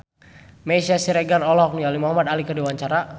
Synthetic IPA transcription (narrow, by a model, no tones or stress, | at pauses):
mesiasiɾɛɡaɾɔlɔk̚nijalimɔɦamad̪alikədiwaɲt͡ʃaɾa